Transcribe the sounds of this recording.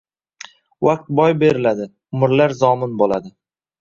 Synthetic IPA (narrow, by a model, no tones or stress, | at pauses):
waq̚t̪̚bɒjbe̞ɾɪlad̪ɪ | ʊmɪɾlaɾzɒmɪnbolad̪ɪ